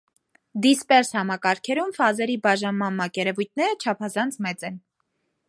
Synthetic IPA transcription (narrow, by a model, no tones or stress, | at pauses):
d̪ispɛɾshɑmɑkɑɾkʰɛɾumfɑzɛɾibɑʒɑnmɑnmɑkɛɾɛvujt̪̚ʰnɛɾət͡ʃʰɑpʰɑzɑnt͡sʰmɛt͡sɛn